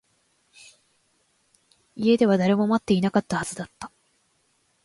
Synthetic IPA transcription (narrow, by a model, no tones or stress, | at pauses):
ie̞d̪e̞βad̪aɾe̞mo̞mat̪ːe̞inakat̪ːahaz̥ɨd̪at̪ːḁ